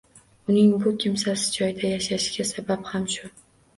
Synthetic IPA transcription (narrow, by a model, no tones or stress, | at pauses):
ʊnɪŋbʊkʲʰɪmsasɪ̥d͡ʒɒjd̪ajaʃaʃɡʲasabaphamʃʊ